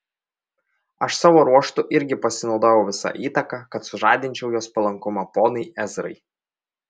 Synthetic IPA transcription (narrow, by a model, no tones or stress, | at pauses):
ɐʃsɑːʋoːɾuɔʃt̪ʊʔɪɾʲɡʲɪpɐsʲɪnɒʊd̪oːjɛʊʋʲɪsɑ̰ʔiːt̪ɐkɑkɐt̪sʊʒɑːd̪ʲɪnʲt͡ʃʲɛʊjoːspɐlˠɐŋkʊmɑpoːnɐɪʔɛzɾɐ̰ɪ